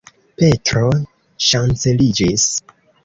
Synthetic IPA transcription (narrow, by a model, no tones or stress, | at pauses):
pe̞tɾo | ʃant͡se̞lid͡ʒis